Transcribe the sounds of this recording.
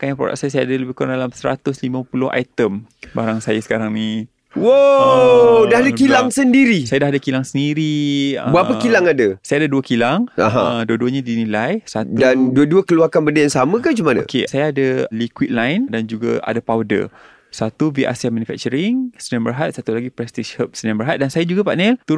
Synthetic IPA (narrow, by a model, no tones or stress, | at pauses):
kajaŋpɾo̰da̰k̚sajasajaadaləbɪhkuɾadalamsəɾa̰t̪ʊslimãpulʊha̰jt̪əmbaɾaŋsajasə̥kaɾaŋni | wo | dahadakilaŋsəndiɾisajadaɦadakilaŋsəndiɾiəbəapəkilaŋadasajadaduəkilaŋa̰ɦã̰duəduəɲadinilajsat̪udanduəduəkəluarkanbədajaŋsamə̃kad͡ʒumanao̰kesajaadalikwit̪̚lajndand͡ʒuɡa̰a̰dapawdə̰ | sat̪uviʔa̰siamãnufɛ̰k̚t͡ʃəɾiŋsəniambəɾɦat̪̚sat̪ulaɡipɾɛst̪iʃhəp̚səniãmbəɾɦat̪̚dansajad͡ʒuɡapaʔnɛlt̪uɾ